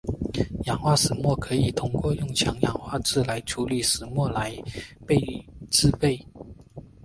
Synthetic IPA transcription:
jɑ˨˩ŋxwa˥˩ʂɻ̩˨˩mwɔ˥˩kʰɤ˧˥i˨˩t̪ʰʊ˧˥ŋkwɔ˥˧jʊ˥˩ŋt͡ɕʰjɑ˧˥ŋjɑ˨˩ŋxwa˥˧ʈ͡ʂɹ̩˥˩la˧˥ɪʈ͡ʂʰu˧˥li˨˩ʂɹ̩˨˩mwɔ˥˩la˧˥ɪpe˥˩ɪ˨˩ʈ͡ʂɹ̩˥˧pe˥˩ɪ

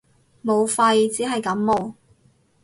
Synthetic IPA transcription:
mo˨˧wfɐ˧jt͡siː˨˥ɦɐ˨jkɐ˨˥mːo˨˩w

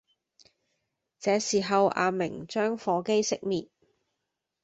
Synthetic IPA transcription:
t͡sɛː˨˧siː˨˩ɦɐ˨wʔa̰ː˨˧mɪ˨˩ŋt͡ʃœː˥ŋfɔː˨˧ke˥jsɪ˥k̚miː˨t̚

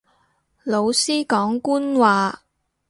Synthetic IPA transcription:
lo˨˧wsiː˥kɔː˨˥ŋkuː˥nwaː˨

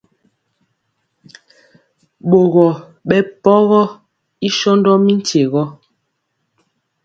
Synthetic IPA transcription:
ɓo˨ɣɔ˨ | ɓɛ˨pɔ˦ɣɔ˦ | i˦ʃɔ˦ndɔ˦mi˦n̩˦te˨ɣɔ˦

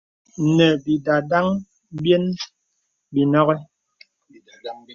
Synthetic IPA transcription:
nɛ˨bi˨da˨da˦ŋ | bjɛ˦n | bi˨nɔ˦ɣɛ˦

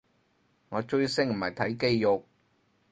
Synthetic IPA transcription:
ŋɔː˨˧t͡ʃɵ˥ɥsɪ˥ŋm̩˨˩hɐ˨˩jt̪ʰɐ˨˥jke˥jjʊ˨k̚

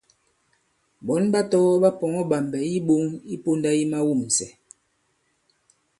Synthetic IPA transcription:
bɔ˨˦nba˦tɔ˦ɣɔ˦ba˦pɔ˨ŋɔ˦ba˨m˨bɛ˨i˦ɓo˦ŋi˦po˦nda˦i˦ma˦wu˦˨m̩˨sɛ˨

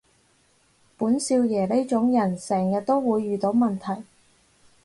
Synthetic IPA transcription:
puː˨˥nsiː˧wjɛː˨˩le˥jt͡ʃʊ˨˥ŋjɐ˨˩nsɛː˨˩ŋjɐ˨t̚t̪o˥wwuː˨˧jːyː˨˩t̪o˨˥wmɐ˨˩nt̪ʰɐ˨˩j

